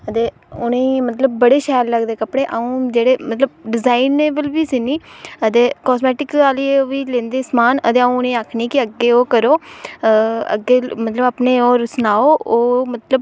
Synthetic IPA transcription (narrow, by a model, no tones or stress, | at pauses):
ət̪eː | ʊnẽːmət̪ləb̚ːəɽeːʃɛːlːəɡd̪eːkəpɽeːʔaũːd͡ʒeːɽeːmət̪ləb̚ɖɪzaːineːbəlbiːsiniːət̪eːkɔːsmɛːʈɪkaːliːeoʋiːlẽːnd̪eːsmaːnə̰t̪eːəũːʊnẽːaːkʰniːkɪəɡːeːoːkəɾoː | ə̰ɡːeːmət̪ləbaːpneːoːɾəsnaːoːoːmət̪ləb